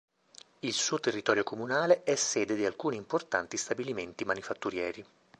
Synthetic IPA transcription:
ilsuːot̪erːit̪ɔːɾjokomunaːleʔɛsːɛːd̪ed̪ialkuːniːmport̪ant̪ist̪abiliment̪imanifat̪ːuɾjɛːɾi

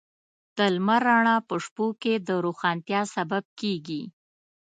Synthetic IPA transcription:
d̪̥əlmaɾaɳ̃ɑpəʂpoked̪əɾoxɑnt̪jɑsabab̚keɡi

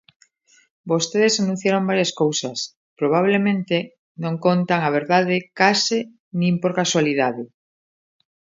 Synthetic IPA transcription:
bost̪eðesanũn̟θjaɾombaɾjaskowsɐs | pɾoβ̞aβ̞lemẽnt̪e | nõŋkont̪aŋaβ̞eɾðaðɪkasɪ | nĩmpoɾkaswaliðaðɪ

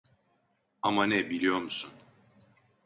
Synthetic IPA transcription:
amanɛbilʲijo̞ɾmusun

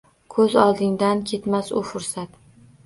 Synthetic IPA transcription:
kʰɵzɒlˠd̪ɪŋd̪ankʲʰe̞t̪masʊfʊɾsat̪

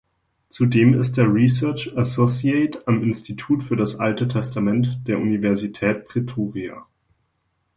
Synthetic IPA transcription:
t͡sudeːmɪ̰st̚d̥eːɐʁisœɐt͡ʃasosiɛɪtamɪnstʰitʰuːtfyːɐɾasʔaltətʰɛstamɛntd̥eːɐʔunivɛɐzitʰɛːt̚pʁ̥ɛtʰoːʁia̰

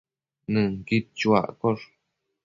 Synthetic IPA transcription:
nɨ̃ŋkit͡ʃua̰koʐ

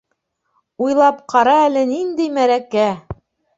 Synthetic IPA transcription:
ujlˠɑpqʰɑɾɑælɘnind̪ɘjmæɾækæ

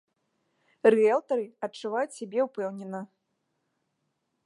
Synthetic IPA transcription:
rɨɛlˠt̪ɐɾɨɐt͡ʂːuvajut͡sʲsʲabʲɛupɛwnʲɛnɐ

